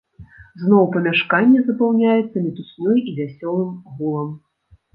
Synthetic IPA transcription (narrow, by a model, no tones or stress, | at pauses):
znɔwpɐmʲaʂkanʲːɛzɐpawnʲajɛt̪sːɐmʲit̪usnɔjivʲasʲɔlˠɨmɣulˠɐm